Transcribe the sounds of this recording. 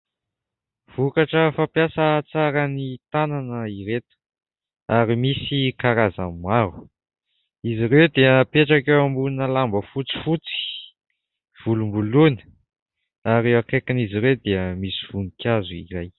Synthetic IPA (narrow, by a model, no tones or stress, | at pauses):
v̥ukaʈ͡ʂəfapjasət͡saɾənit̪ananəiɾet̪ə̥ | aɾimisikaɾaza̰mmaɾu̥ | iziɾewd̪eəpeʈ͡ʂakewambunəlambəfut͡si̥fut͡si̥ | v̥ulumbulunə̥ | aɾewakekiniziɾewd̪eəmisi̥v̥unikʲazuḭɾaj